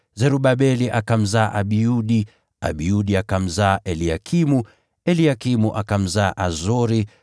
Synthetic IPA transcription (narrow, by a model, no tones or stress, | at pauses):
zɛɾuɓaɓɛliʔakam̩zaːʔaɓiuɗi | a̰ɓiuɗiakam̩zaʔɛliakʰimu | ɛliakimuʔakam̩zaːʔazɔɾi